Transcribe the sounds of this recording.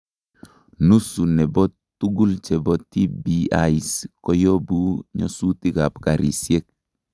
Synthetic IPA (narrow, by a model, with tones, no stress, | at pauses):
nu˦su˨ne˨bɔ˦ | tu˦ɡu˦lt͡ʃe˨bɔ˦tːi˦bia̰i˨sko˦jo˦bu˦ɲo̰˦su˦ti˦ka˨pka˨ɾḭ˨sie˦k̚